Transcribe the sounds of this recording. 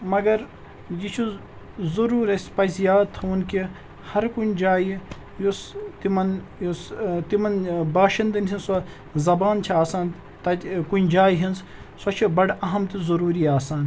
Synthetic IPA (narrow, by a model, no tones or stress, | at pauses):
mɐɡɐɾ | jit͡ʃʰu | zɐɾuːɾɐsʲpɐzijaːt̪ʰunki | hɐɾkunʲd͡ʒaːj | just̪imɐn | jst̪imɐnbaːʃɐnd̪ɐnsʲinsɐ | zɐbaːnt͡ʃʰiaːsaːn | t̪ɐkund͡ʒaːjiɦinz | sɐt͡ʃʰibɐɽɐɦɐmt̪izɐɾuːɾiaːsaːn